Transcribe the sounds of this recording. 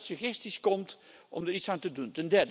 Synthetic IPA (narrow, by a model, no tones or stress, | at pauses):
səχɛstiskɔmtʔɔ̰mdəɹitsaːntəduntəndɛrd